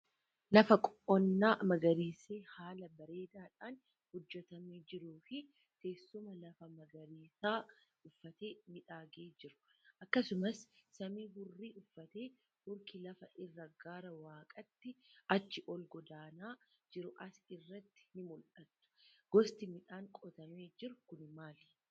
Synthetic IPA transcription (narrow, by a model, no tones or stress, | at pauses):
lɐfɐkʼɔʔɔnːaːmɐɡɐɾiːseːhaːlɐbɐɾe̞ːd̪aːᶑaːn | hʊd͡ʒːɛt̪ɐmiːd͡ʒɪɾuːfɪ | k̪e̞ːsːʊmɐlɐfɐmɐɡɐɾiːsaː | ʊfːɐt̪eːmɪᶑaːɡeːd͡ʒɪɾʊ̥ʔɐkːɐsʊmɐsːɐmiːɡʊrːiːʔʊfːɐt̪e̞ː | hʊɾkɪlɐfɐʔɪrːɐɡaːɾɐwaːkʼɐt̪ːɪɐt͡ʃːɪʔɔlɡɔd̪aːnaːd͡ʒɪɾʊʔɐsɪrːɐt̪ːɪ̥nɪmʊlʔɐt̪ːʊ̥ɡ̥ɔst̪ɪmɪᶑaːŋkʼɔt̪ɐmeːd͡ʒɪɾʊkʊnɪmaːl